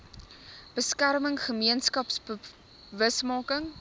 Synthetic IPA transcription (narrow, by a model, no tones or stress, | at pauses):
b̥əskærməŋχəmiənskɐpsbə | vəsmɑːkəŋ